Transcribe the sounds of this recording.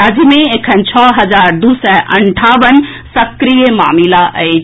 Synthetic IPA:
ɐd͡ʑmẽekʰənt͡ɕʰɔːɦɐzaːɾd̪uːsɛʔɐ̃ɳʈʰaːʋən | sɐkɾijəma̰ːmilaʔəe

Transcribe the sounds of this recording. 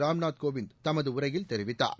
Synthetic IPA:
ɾaːmɳaːt̪̚koːʋɪnd̪t̪ɐmɐðɯʊrɐjɪlt̪ɛɾɪʋɪt̪ːa̰ːɾ

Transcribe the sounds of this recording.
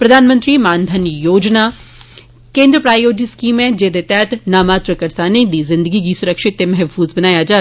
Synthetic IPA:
pɾɐd̪ʱaːnmə̃nt̪ɾiːmaːnd̪ʱənjoːd͡ʒnaː | kẽːnd̪ɾəpɾaːjoːd͡ʒɪskiːmɛ̃d͡ʒeːd̪et̪ɛːt̪naːmaːt̪ɾəkɐɾsanẽĩd̪izɪ̃nd̪əɡikisʊɾəkʃɪt̪ːemɛɦfuːzbɐnaːjad͡ʒaː

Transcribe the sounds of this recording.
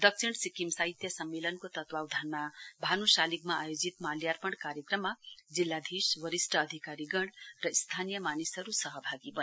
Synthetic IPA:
d̪ʌk̚sʰiɽ̃sikimsaɦit̪jʌsʌmːelʌnkot̪ʌt̪wawd̪ʱʌnmabʱanusalikmaajod͡zit̪maljarpʌɳkaɾjʌkrʌmːad͡zilːad̪ʱiswʌɾisʈʌːd̪ʱikaɾiɡʌɽrʌist̪ʰanijʌmanisʌɾusʌɦʌbʱaɡibʌ

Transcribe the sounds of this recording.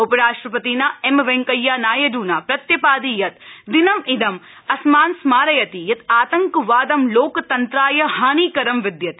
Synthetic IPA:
upɐɾaːʂʈɾɐpɐt̪iːnaemʋeŋkɐjːaːnaːjɐɖuːnaːpɾɐt̪jɐpaːd̪ijɐt̪d̪inɐmʔid̪ɐm | ɐsmaːnsmaːɾɐjɐt̪ijɐt̪aːt̪ɐŋkʋaːd̪ɐmloːkt̪ɐnt̪ɾaːjɐhaːniːkɐɾɐmʋid̪jɐt̪i

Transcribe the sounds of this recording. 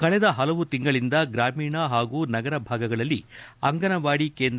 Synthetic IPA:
kɐɭɛd̪ɐɦɐlɐʋut̪iŋɡɐɭind̪ɐɡɾaːmiːɳɐɦaːɡuːnɐɡɐɾɐbʱaːɡɐɡɐɭɐlːiɐŋɡɐnɐʋaːɽike̞ːnd̪

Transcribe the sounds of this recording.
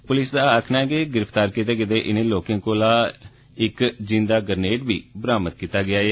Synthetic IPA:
pʊlɪsd̪aːəkʰnaːɛːkeɡɪɾəpt̪aːɾkɪt̪eːkɪt̪̬eːʔɪnẽːloːkẽːŋkoːlaː | ɪkd͡ʒɪ̃nd̪aːɡəɾneːʈbiːbəɾaːmət̪̚kiːt̪aːɡɪaːɛː

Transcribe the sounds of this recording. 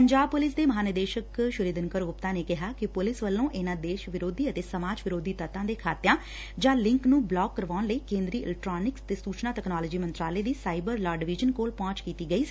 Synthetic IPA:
pəɲd͡ʒaːb̚pʊlɪs̬d̪eːməɦaːnəd̪eːʃəkʃʊɾiːd̪ənkəɾʊpt̪ãːneːkɪɦaːkɪpʊlɪsʋəlːõːʔɪnãːd̪eːʃʋɪɾoːd̪iːət̪eːsəmaːd͡ʒʋɪɾoːd̪iːt̪ət̪ãːd̪eːkʰaːt̪jãː | d͡ʒãːlɪ̃ŋknũːblɔːɡːəɾʋaːʊnləiːkẽːnd̪ɾiːʔlɛk̚ʈɾaːnɪksət̪eːsuːt͡ʃnaːʈɛknaːləd͡ʒiːmənt̪ɾaːleːd̪iːsaːɪbəɾlaːɖɪʋɪd͡ʒənkoːlpɔ̃ːt͡ʃkiːt̪iːɡəiː

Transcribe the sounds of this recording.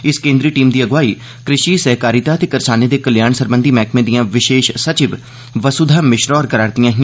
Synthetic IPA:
ɪskẽːnd̪ɾiːʈiːmd̪iːəɡʋaːiː | kɾɪʃiːsɛɦkaːɾit̪aːt̪eːkəɾsaːneːd̪eːkəljaːɳsəɾbənd̪iːmɛːkmẽːd̪ijãːʋɪʃeːʃsət͡ʃɪʋ | ʋəsud̪ʱaːmɪʃɾɔːɾkəɾaːɾd̪ijãːɦɪã

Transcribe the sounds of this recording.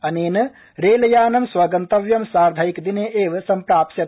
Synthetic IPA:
ɐneːnɐ | ɾeːlɐjaːnɐmsʋɐɡɐnt̪ɐʋjɐmsaːɾd̪ʱɐjikd̪ineːʔeːʋɐsɐmpɾaːpsjɐ

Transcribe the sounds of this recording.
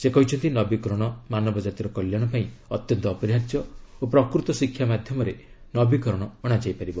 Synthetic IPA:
sekɔɦit͡ʃʰɔnt̪inɔbikɔɾɔɽ̃ɔmanɔbɔd͡ʒat̪iɾɔkɔljaɽ̃ɔpaĩɔt̪jɔnt̪ɔːpɔɾiɦatjɔopɾɔkɾut̪ɔsikʰjamad̪ʱjɔmɔɾe | nɔbikɔɾɔɽ̃ɔɔɽ̃ad͡ʒajpaɾibɔ

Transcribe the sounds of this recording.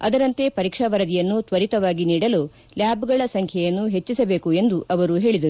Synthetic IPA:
ɐ̰d̪ɐɾɐnt̪e̞pɐɾiːkʂɐʋɐɾɐd̪ijɐnːut̪ʋɐɾit̪ɐʋaːɡiniːɽɐlo̞ː | ljaːbuɡɐɭɐsɐŋkʰjɐjɐnːuɦe̞t͡ʃːisɐbe̞ːkue̞nd̪uʔɐʋɐɾuɦe̞ːɭid̪ɐɾu

